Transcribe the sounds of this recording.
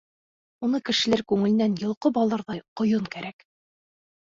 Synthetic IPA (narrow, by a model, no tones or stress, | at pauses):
unɤkɘ̆ʃɘ̆læɾkʉŋɘ̆ɘ̆nænjɤ̆lˠqɤbɒlˠɑɾðɑjqŏjɤɴkæɾæk